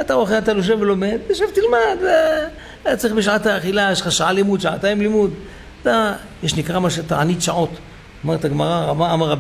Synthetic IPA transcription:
at̪aoχeat̪aloʃ̬evvelomed̪aʃevt̪ilmad̪ | at͡sɐiχbeʃ̬ʕat̪aːχilajeʃχaʃaʕalimud̪ʃaʕat̪aimlimud̪ | at̪a | jeʃnikʁamaʃet̪aʕanit̪ʃaʕo̞t̪ | amaʁet̪aɡmaʁaamaamaʁab

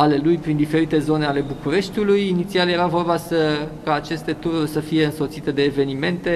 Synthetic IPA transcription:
ale̞lujpɾind̪ife̞ɾit̪e̞zo̞ne̞ale̞bukuɾe̞ʃt̪ʲulujinit̪sialje̞ɾavo̞rbasəkaːt͡ʃe̞st̪e̞t̪uɾurʲsəfije̞ɨnso̞t̪sit̪e̞d̪e̞ːve̞nime̞nt̪e̞

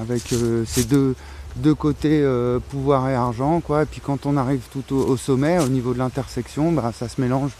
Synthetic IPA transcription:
avɛkʰøsed̪ø | d̪økot̪eøpuvwaʁeaʁʒɑ̃kwaepɥikɑ̃t̪ɔ̃naʁivt̪ut̪oosɔmɛonivod̪əlɛ̃t̪ɛʁsɛksjɔ̃basasəmelɑ̃ʒ

